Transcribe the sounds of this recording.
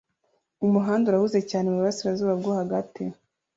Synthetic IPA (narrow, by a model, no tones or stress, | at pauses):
umuɦaːnduɾahuze̞caːnemuβuɾasiɾazuːβabɡohaɡati